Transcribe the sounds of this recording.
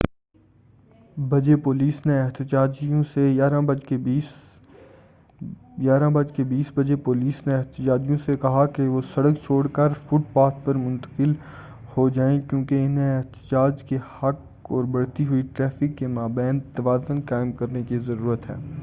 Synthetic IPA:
bɐd͡ʒepoːliːsneɛɦt̪ɪd͡ʒaːd͡ʒijõsejaːɾãbɐd͡ʒkebiːs | jaːɾãbɐd͡ʒkebiːsbɐd͡ʒepoːliːsneɛɦt̪ɪd͡ʒaːd͡ʒijõsekɐɦakeʋosɐɽək̚t͡ʃʰoːɽkəɾfʊʈ̚paːt̪pɐɾmʊ̃nt̪ə̥qɪl | hod͡ʒaːẽkjõːkeɪnɦẽɛɦt̪ɪd͡ʒaːd͡ʒkehɐk | ɔːɾbɐɽt̪iɦʊiʈɾɛːfɪkːemaːbɛ̃ːnt̪ːɐʋaːd̪ə̃nkaːɪmkɐɾnekizɐɾuːɾət̪ɦɛ̰ː

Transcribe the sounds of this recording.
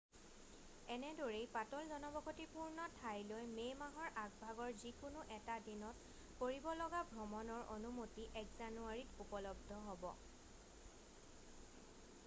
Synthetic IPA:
ɛnɛdɔɹejpatɔlzɔnɔbɔkʰotipuɹnɔtʰajlojmejmaɦɔɹʔaɡbʱaɡɔɹzikʊnʊʔɛtadinɔt | koɹibɔlɔɡabʱɹɔmɔnɔɹo̰numotiʔɛkzanuaɹitupɔlɔb̚dʱɔɦɔbɔ̰

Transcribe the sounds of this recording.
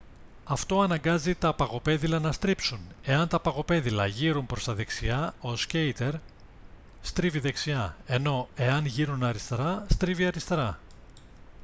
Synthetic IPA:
ɐft̪o̞ɐnɐŋɡɐzit̪ɐpɐɣo̞pe̞ðilɐnɐst̪ɾipsune̞ɐnt̪ɐpɐɣo̞pe̞ðilɐʝiɾumpɾo̞st̪ɐðe̞ksiɐo̞sce̞jt̪e̞ɾ | st̪ɾiviðe̞ksiɐe̞no̞e̞ɐnʝiɾunɐɾist̪ɾɐst̪ɾiviɐɾist̪ɾɐ

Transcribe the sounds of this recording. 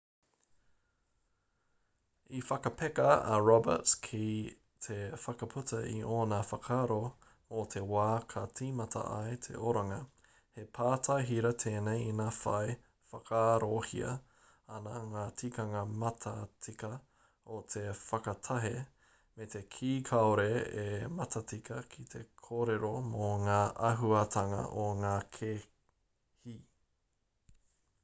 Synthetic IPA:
ifɐkɐpʰekɐɐ̰ɹɔbə̰tkʰi | tʰefɐkɐpʰutɐʔḭʔoːnafɐkʰaːɾo | ot̪ʰewaːkʰɐt͡siːmɐtʰɐ̰ʔɐ̰et̪ʰḛʔoɾaŋɐ | hepʰaːtʰajɦiɾɐtʰeːnejinaːfɐ̰e | fɐkʰaːɾohḭɐ̰ | ɐnaŋaːtʰikɐŋɐmɐtʰɐt͡sikɐ | ot̪ʰefɐkɐt̪ʰɐɦe | met̪ʰe̞kʰiːkʰaoɾeemɐtʰɐt͡sikʰɐkʰit̪ʰe̞kʰoɾeɾomoŋaːʔɐɦuɐtʰɐŋɐ̰ʔoŋaːkʰe | hi

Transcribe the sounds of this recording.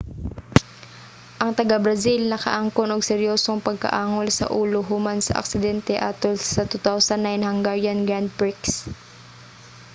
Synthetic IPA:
ʔɐŋt̪ɐɡabɾɐsilnɐkɐ̰ʔaŋkonoɡ̚sɛɾjoːsoŋpɐɡ̚kɐ̰ʔaːŋolsɐ̰ʔuːloɦʊmansɐ̰ʔɐ̰ksɪd̪ɛnt̪ɛʔat̪olsɐt̪ut̪awsɐnːajnhɐŋɡaɹjɐnɡɹand̪̚pɹɪks

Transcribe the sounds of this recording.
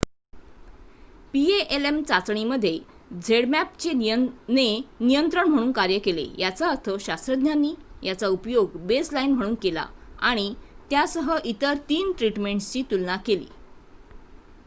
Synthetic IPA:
pieʔelemt͡sat͡sɳiməd̪ʱːje | d͡zʱeɽmæp̚t͡ɕenenijənt̪ɾəɳm̤əɽ̃uːnkaɾjəkelḛjat͡saət̪ʰəɕast̪ɾəd̪njanːiːjat͡saupjoɡbeslainm̤əɽ̃uːnkela̰aɽ̃it̪jasəɦəʔit̪əɾt̪iːnʈɾiʈmeɳʈt͡ɕiːt̪ulnakelḭː

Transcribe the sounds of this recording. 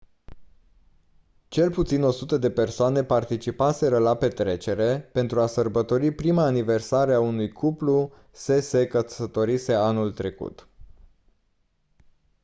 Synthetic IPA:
t͡ʃe̞lput̪sino̞sut̪əd̪e̞pe̞rsoane̞part̪it͡ʃipase̞ɾəlape̞t̪ɾe̞t͡ʃe̞ɾe̞pe̞nt̪ɾuasərbət̪o̞ɾipɾimaːnive̞rsaɾeaunujkʰuplu | se̞sekəsət̪o̞ɾise̞anult̪ɾe̞kṵt̪

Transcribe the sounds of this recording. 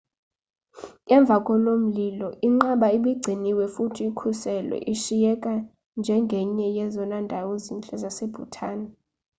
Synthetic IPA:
ŋɛɱb̪vʱakʼɔnom̩lilɔiŋ͡ǃaɓaiɓiɡ͡ǀʱiniwɛfutʰiːkʰusɛlɛ̰ʔiʃijɛkʼa | nd͡ʒʱɛŋɡʱɛɲɛjɛzɔnandʱawozint͡ɬʼɛzaseb̥ʱutʰaːni

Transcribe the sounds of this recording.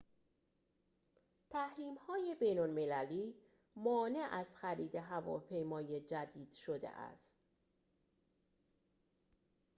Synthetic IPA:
t̪ʰæhɾiːmhɒːje̞be̞jnolme̞læliː | mɒːne̞ʔæzxæɾiːd̪e̞ɦævɒ̰ːpʰe̞jmɒːje̞d͡ʒæd̪iːd̪̥ʃo̞d̪ḛʔæ̰st̪

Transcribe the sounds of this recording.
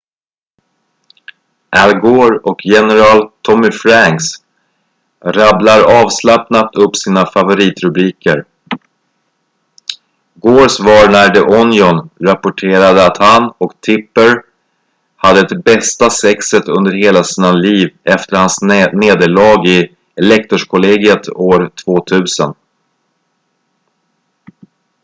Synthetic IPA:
ʔælɡoːɾɔkʰjɛnɛɾɑːlt̪ʰɔmɪfɾaŋks | ɾablaɾɑːvslapnat̪ɵpːsiːnafavʊɾiːt̪ɾɵbɾiːkəɾ | ɡoːɾsvɑɾnæɖɛʔɔnjɔnɾapʊʈʰeːɾad̪əat̪hanɔkt̪ʰɪpːəɾ | had̪ːət̪bɛst̪asɛksət̪ɵnd̪əɾheːlasiːnaliːvɛft̪əɾhansneːd̪əɭɑːɡɪ | ɛlɛk̚t̪ɔʂkʰʊleːɡɪət̪ʰoːɾt̪ʰvoːt̪ʰʉ̟ːsən

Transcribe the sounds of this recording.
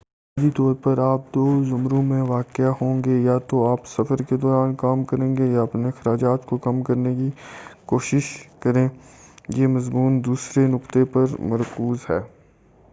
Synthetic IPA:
aːd̪it̪ɔːɾpɐɾaːp̚d̪oːzʊmɾõmẽʋaːkɪaɦõːŋɡejat̪oaːpsɐfəɾked̪ɔːɾaːnkaːmkɐɾẽːŋɡejaɐpnexɐɾaːd͡ʒaːt̪kokɐmkɐɾnekikoːʃɪʃkɐɾẽːjeːmɐzmuːnd̪uːsɾenʊkt̪epɐɾmɐɾkuːzɦɛː

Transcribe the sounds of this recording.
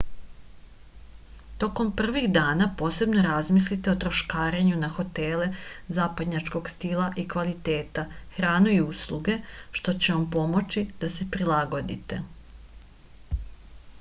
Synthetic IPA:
t̪o̞ko̞mpr̩ʋixd̪aːnapo̞ːse̞bno̞ɾazmislit̪e̞ot̪ɾo̞ʃkaːɾeɲunaxo̞t̪ele̞zaːpad̪ɲat͡ʃko̞ɡst̪ilˠaʔikʋalit̪e̞ːt̪axɾaːnuiuslˠuɡe̞ʃt̪o̞t͡ɕeʋampo̞mo̞t͡ɕid̪̥ase̞pɾilaɡo̞d̪ḭt̪e̞

